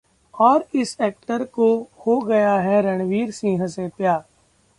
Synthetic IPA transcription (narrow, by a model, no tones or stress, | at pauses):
ɔːɾɪsɛːk̚ʈəɾkohoɡɐjaɦɛɾɐɽ̃ʋiːɾsĩːɦə̃sepjaː